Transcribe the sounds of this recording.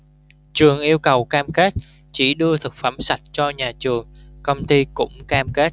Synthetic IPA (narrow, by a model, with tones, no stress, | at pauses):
t͡ɕɨ˨˩əŋʔi˧əwkə˨˩wkaː˧mke˦˥t̚ | t͡ɕi˧˩ɗɨ˧ət̪ʰɨ˨˩k̚faː˧˩msa˨˩t̚t͡ɕɔ˧ɲaː˨˩t͡ɕɨ˨˩əŋkə˧wŋ͡mt̪i˧kʊ̰˧˥ŋ͡mkaː˧mke˦˥t̚